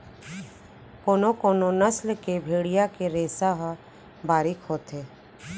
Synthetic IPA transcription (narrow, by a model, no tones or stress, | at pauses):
koːnokoːnonəslkebʱeːɽijakeɾeːsaɦ | baːɾɪkɦoːt̪eː